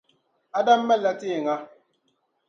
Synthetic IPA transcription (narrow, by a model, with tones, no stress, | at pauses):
a˦da˦mː˦ɛ˦˨la˦ti˦e˨ŋa˦